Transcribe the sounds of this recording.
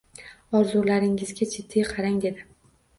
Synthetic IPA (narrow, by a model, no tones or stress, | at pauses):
ɒɾzulaɾɪŋɪzɡʲat͡ʃʰet̪ʰːɪjqʰɑɾaŋd̪e̞d̪ɪ